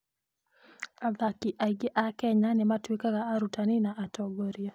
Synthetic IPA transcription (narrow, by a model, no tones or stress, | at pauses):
aðakiʔaiɡɪʔakɛɲanɛmatwikaɣaːɾutaninaʔatɔɡɔɾiɔ